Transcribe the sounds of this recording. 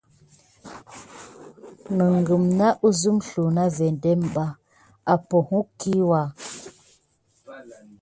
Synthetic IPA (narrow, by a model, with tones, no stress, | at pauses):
nə˨ŋ˨ɡə˨mna˦ʔu˦zu˦m˦ɬu˨na˦vɛ˨n˨dɛ˦m˨ba˦ | a˨pɔ˨hu˦ki˦wa˦˨